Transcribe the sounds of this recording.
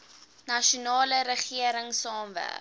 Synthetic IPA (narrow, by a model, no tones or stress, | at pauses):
nɐʃunɑːləɾəχiəɾəŋsɑːmvæ̰